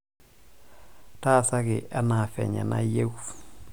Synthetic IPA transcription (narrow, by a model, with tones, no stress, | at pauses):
taː˦sa˦kɪʔa˦na˨fɛ̰˨ɲa̰˨na̰je˦w